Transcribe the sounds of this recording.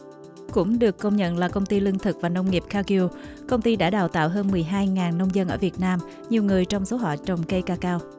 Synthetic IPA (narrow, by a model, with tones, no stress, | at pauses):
kʊ̰˧˥ŋ͡mɗɨ˨˩əkːə˧wŋ͡mɲə̰˧˨nlaː˨˩kə˧wŋ͡mt̪i˧lï˧ŋt̪ʰɨ˨˩k̚vaː˨˩nə˧wŋ͡mŋi˨˩əp̚kaː˧ki˧ | kə˧wŋ͡mt̪i˧ɗa̰ː˧˥ɗaː˨˩wt̪a̰ː˧˨wɦəː˧nmɨ˨˩əjɦaː˧jŋaː˨˩nːə˧wŋ͡mzə˧nʔəː˧˩vi˨˩ət̚naː˧m | ɲi˨˩wŋɨ˨˩əjt͡ɕɔ˧wŋ͡mso˨˦ɦɔ̰˧˨t͡ɕə˨˩wŋ͡mkə˧jkaː˧kaː˧w